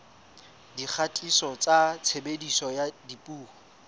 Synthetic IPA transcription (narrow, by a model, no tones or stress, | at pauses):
dik͡xʰatʼisɔt͡sʼat͡sʰebedisɔjadipʼuː